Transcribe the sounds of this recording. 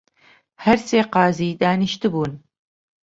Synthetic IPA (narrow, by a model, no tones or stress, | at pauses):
hɐɾsʼeːqɑːziːdaːnɨʃtʰɨbuːn